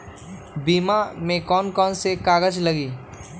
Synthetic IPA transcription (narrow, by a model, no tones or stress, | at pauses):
biːmamẽkɔːnkɔːnsekaːɡəd͡ʒlɐɡiː